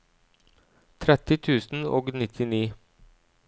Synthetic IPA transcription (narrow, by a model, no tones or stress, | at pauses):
t̪ʰɾɛt̪ɪt̪ʰʉːsn̩o̰ːɡnɪt̪ʰɪniː